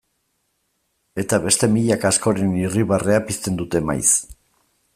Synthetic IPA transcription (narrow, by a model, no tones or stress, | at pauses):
e̞t̪aβe̞st̪e̞miʎakasko̞ɾe̞niriβare̞apist̪e̞nd̪ut̪e̞ma̰js